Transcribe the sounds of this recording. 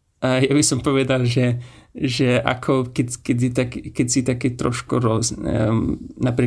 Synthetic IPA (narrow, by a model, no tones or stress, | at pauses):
ajabisɔmpɔʋɛd̪alʒɛʒɛʔa̰kʰɔkɛtkɛdit̪akkɛsit̪akɛt̪ɾɔʃkuɾɔz | napɾi